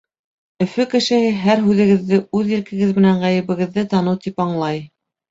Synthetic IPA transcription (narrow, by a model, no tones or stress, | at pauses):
ɵ̆fɵkɘ̆ʃɘ̆hɘɦæɾɦʉðɘ̆ɡɘ̆ðːɘʔʉðĭlkɘ̆ɡɘðmɘ̆næɴʁæjɘ̆βɘ̆ɡɘ̆ðːɘt̪ɑnɤwt̪ipɑɴlˠɑj